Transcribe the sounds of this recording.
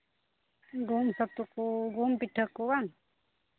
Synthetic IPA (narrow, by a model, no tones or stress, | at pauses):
ɡumsɐt̪ukuɡumpiʈʰəkːuwan